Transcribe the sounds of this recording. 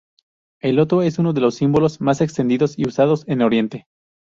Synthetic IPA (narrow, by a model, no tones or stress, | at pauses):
e̞lo̞t̪ɾoe̞sunoðe̞lo̞sːimbo̞lozmase̞kst̪end̪iðo̞siusað̞o̞se̞noɾje̞nt̪e̞